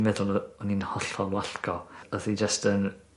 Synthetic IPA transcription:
mɛðʊlˠɔninhɔɬɔlwaɬkɔɔðid͡ʒəstən

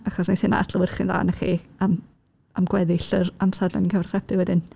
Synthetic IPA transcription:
aχɔsnejθɪna̰atʰləwɪrχɪnða̰ːnəχḭam | amɡwɛðɪɬəramsadnɛninkəvɛrχr̥ɛpʰɪwɛdɪn

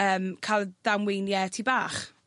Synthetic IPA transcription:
əːmkʰajlˠd̥amwɪjnjɛtʰibaːχ

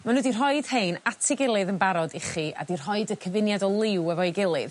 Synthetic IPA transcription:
manudir̥ɦɔɨd̥hejnatʰɪɡɪlˠɨðənbaɾɔdɪχia̰dir̥ɦɔɨdəkʰəvɪnjadɔlˠɪwəvɔjɡɪlˠɨð

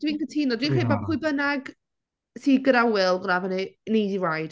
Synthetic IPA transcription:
d̥wiːnkʰətʰiːnɔdwiːnriːbɔbpʰʊɨbənaɡ | siːɡɾawɪlˠɡnavəninejdiwajd̥

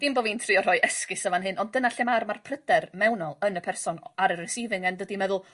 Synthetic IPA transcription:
d̥imboːviːntʰriːɔr̥ɔjɛskɪsəvanɦɨnɔndənaɬɛmarmarpʰrədɛrmɛwnɔlˠənəpʰɛrsɔnaɾərɛsiːvɪŋɛndwədimɛðʊlˠ

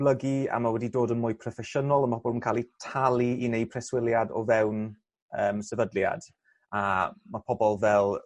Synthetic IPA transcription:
blˠəɡia̰mawɛdidoːdənmʊɨpʰrɔfɛʃənɔlˠəmahɔbɔlˠmənŋkʰaːlˠitʰalˠiinej̚pʰrɛswɪljadɔ̰vɛwn | əːmsəvədlja̰d̥ | amapʰɔbɔlˠvɛlˠ

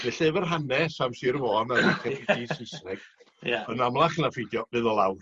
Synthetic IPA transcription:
vɛɬɛvərɦanɛsamsiɾvɔːnaɪkɛfitʰisɪsnɛɡ̥ | ənamlˠaχnafejdjɔvɨːðɔlˠawr

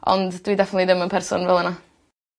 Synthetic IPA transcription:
ɔ̰ndd̥widɛfnətlidəmənpʰɛrsʊ̰nvɛlˠəna

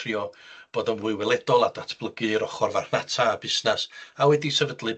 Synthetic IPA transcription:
riɔb̥oːdənwʊɨwɛlˠɛdɔlˠadatʰb̥lˠəɡɨɾɔχɔrvarhnatʰabɪsnasawɛdisɛvədlˠɨ

